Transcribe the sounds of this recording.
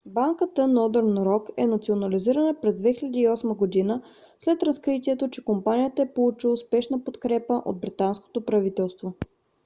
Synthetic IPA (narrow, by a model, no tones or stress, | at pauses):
baŋkət̪ənɔd̪əɾnɾɔkɛnɐt̪sionɐliziɾənəpɾɛzd̪vɛxilʲɛd̪iːɔsməɡod̪inə | slɛt̪ɾɐskɾit̪iɛt̪ot͡ʃɛkompanijət̪əɛpolˠut͡ʃilˠəspɛʃnəpot̪kɾɛpəʔo̰d̪̚bɾit̪ansko̥t̪opɾɐvit̪ɛlˠst̪vo